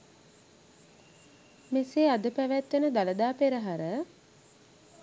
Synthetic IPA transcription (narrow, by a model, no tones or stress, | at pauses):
meseːad̪əpæʋæt̪ːenəd̪aləd̪aːpeɾəɦaɾə